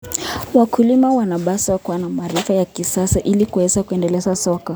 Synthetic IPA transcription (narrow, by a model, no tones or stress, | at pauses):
wakʰulimawanaɓasakanamaɾifajakisasaʔilikuwɛzakuɛndɛlɛzasɔka